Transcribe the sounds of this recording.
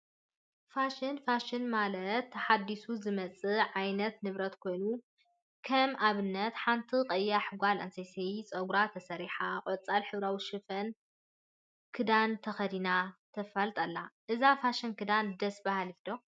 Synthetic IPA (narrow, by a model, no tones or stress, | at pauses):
faʃɪnfaʃɪnmalɐt̪ːħad̪ːisuzɨmɐt͡sʼɨʕajnɐt̪nɨβɾɐt̪kʰo̞jnu | kʰɐmʔaβɨnːɐt̪ħant̪ʰiqʼɐjːaħɨɡʷalɐ̰nsɐjset͡sʼɐɡɾat̪ʰɐsɐɾiħaqʼt͡sʼalħɨβɾawiʃɨfɐn | kʰɨd̪ant̪ʰɐxɐd̪inat̪ʰɐfɐlt̪ʼɐlːaʔɨzafaʃɐnkʰɨd̪and̪ɐsbahalifd̪o